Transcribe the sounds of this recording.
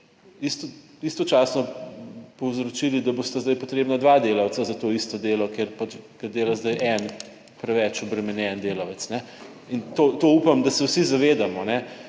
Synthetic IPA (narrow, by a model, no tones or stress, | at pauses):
ist̪ɔ | ist̪ɔt͡ʃaːsnɔpɔwzɾɔt͡ʃilid̪ɐbost̪azd̪ajpɔt̪ɾeːbnad̪ʋad̪eːlɐwt͡s̪azɐt̪oist̪ɔd̪eːlɔkeɾpat͡ʃɡad̪eːlazd̪ajʔɛn | pɾɛʋɛt͡ʃɔbɾɛmɛnjɛnd̪eːlawɛt̪snɛ | int̪oːt̪oupamd̪ɐsɛwsizɐʋeːd̪amɔnɛ